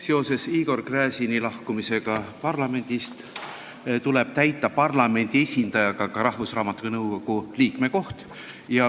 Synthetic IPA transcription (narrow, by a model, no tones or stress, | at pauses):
se̞o̞se̞siːɡ̥o̞rkræːsinilɑhkumise̞ɡ̥ɑpɑrlɑme̞nd̪̥ist̪ | t̪ule̞b̥̚t̪æjt̪ːˑɑpɑrlɑme̞nʲd̪̥ie̞sʲind̪̥ɑjɑɡ̥ɑkɑɾɑhvusrɑːmɑt̪ːˑunɤwko̞ɡ̥uliːkme̞ko̞ht̪ | jɑ